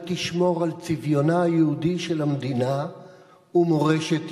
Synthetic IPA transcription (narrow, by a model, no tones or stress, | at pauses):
tiʃmo̞ʁalt͡sivjo̞najeud̪iʃelamd̪ina | umo̞ʁeʃet̪